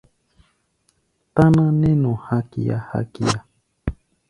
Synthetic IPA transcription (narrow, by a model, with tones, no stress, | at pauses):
t̪a˦nã˦nẽ˦nõ˨ha˦ki˨a̰˦ha̰˦ki˦a˨